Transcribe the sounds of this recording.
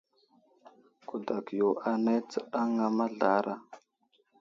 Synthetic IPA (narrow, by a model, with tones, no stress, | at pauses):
ku˨da˨kjo˨ʔa˨na˦t͡sə˦ɗa˦ŋa˨ma˦ɮa˦ɾʔa˦